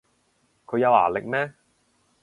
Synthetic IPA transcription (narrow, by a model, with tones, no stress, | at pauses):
kʰɵ˨˧ɥjɐ˨˧wa̰ː˨˩lɪ˨k̚mɛː˥